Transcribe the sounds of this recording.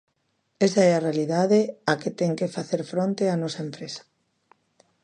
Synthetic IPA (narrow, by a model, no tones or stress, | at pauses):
esaɛarealiðaðeaket̪ɛŋkefaθeɾfɾõnt̪eanɔsaempɾesḁ